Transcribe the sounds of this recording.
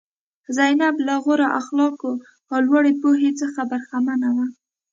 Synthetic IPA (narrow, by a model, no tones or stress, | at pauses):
zajnablaɣoɾaʔaxlɑko | awlwaɽepoɦet͡səxabaɾxamanawa